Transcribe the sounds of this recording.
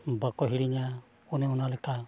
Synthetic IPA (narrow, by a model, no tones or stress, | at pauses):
bakɔɦiɾiɲa | ɔnɛɔnalɛt̪a